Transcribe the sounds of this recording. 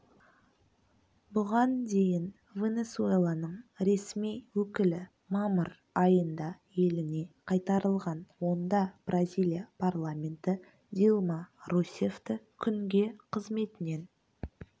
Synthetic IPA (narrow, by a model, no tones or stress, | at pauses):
bʊʁɑnd̪e̞jɪn | vʲe̞ne̞sue̞lˠanəɴɾe̞smijwɵkʲɪlɪ | mɑməɾ | ɑjənd̪ɑ | je̞lɪne̞qʰɑjt̪ɑɾəlˠʁɑnwo̞nd̪ɑb̥rʔazʲilʲijapʰarlˠamʲe̞nt̪ɪ | d̪ʲilˠmɑɾusʲe̞ft̪ɪkʲʰʏŋɡʲe̞qʰəzme̞t̪ɪne̞n